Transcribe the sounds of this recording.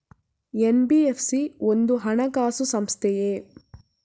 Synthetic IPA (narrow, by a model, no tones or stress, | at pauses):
enbiepʰsiond̪uɦɐɳɐɡaːsusɐmst̪ʰɛjeː